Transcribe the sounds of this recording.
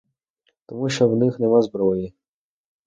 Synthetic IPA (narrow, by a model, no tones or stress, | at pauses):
t̪ɔmuʃt͡ʃɔwnɪxnɛmazbɾɔji